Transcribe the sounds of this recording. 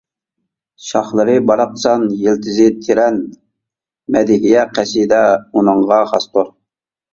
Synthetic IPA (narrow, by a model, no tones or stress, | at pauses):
ʃɑχlˠəɾɨbɑɾɑq̚t͡ʃʰɑnjelt̪ʰɪzɪt̪ʰɪɾɛn | mɛd̪ɪɡʲijɛqʰæsid̪ɛunəɴʁɑχɑst̪oɾ